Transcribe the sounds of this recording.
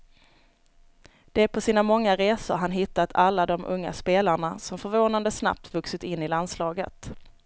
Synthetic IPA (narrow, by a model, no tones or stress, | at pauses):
d̪̥ɛæpʰɔsiːnamɔŋːaɾeːsʊ̰ɾɦanɦɪt̪ːat̪ʰalːad̪ɔmʔɵ̰ŋːa̰speːlaɳasɔmfœɾvoːnand̪əsna̰p̚t̪vɵksɪt̪ɪnːɪland̪slɑːɡə̰t̪